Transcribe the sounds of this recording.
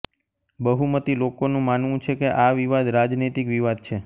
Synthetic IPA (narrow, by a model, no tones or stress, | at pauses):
bəɦumət̪ilokonũmanʋũt͡ʃʰekeʔaʋiʋad̪ɾad͡ʒnit̪ikʋiʋad̪̚t͡ʃʰe